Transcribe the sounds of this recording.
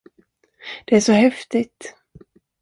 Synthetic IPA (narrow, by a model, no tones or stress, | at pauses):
d̪̥ɛæʂɔhɛft̪ɪt̪